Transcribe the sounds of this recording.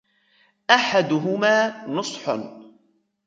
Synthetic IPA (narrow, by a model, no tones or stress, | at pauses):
ʔaħad̪ʊɦʊmaːnʊsˤħ